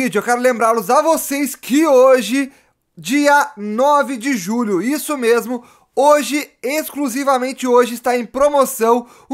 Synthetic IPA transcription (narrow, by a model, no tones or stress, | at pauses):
id͡ʒʊewkɛɾʊlẽmbɾaɾlʊzɐvoseskʰɪoʒɪ | d͡ʒiɐnɔvɪd͡ʒɪʒuʎʊisʊmezmʊ | oʒɪeskluzivɐmẽnt͡ʃɪoʒɪɪst̪aẽj̃pɾomosɐ̃w̃